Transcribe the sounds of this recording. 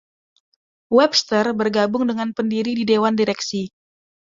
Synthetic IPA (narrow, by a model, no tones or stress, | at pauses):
wɛbst̪ərbərɡabʊŋdəŋanpəndiɾididewandiɾɛksi